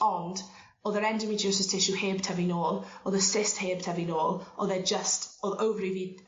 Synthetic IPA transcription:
ɔnd | oːðəɾɛndɪmid͡ʒəs̬ɪstʰɪʃuheːbtʰɛvinoːlˠoðəsɪstheːb̥̚tʰɛvinoːlˠɔðɛd͡ʒəstoðəwvriviː

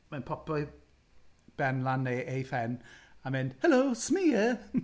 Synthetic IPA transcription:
manpʰɔpɔj | b̥ɛnlanːeːʔejfɛnamɛnhɛlowsmiːjə

